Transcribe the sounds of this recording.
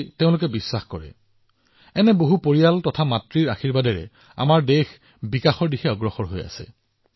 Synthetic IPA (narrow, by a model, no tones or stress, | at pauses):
teʊ̃lʊkɛbisːaxkɔɹɛ̰ | ɛnɛboɦupoɹijaltɔtʰamatɹiɹaxiɹbadɛɹɛ̰ | a̰maɹdex | bikaxɔɹdixɛɔɡɹɔxɔɹɦoja̰sɛ̰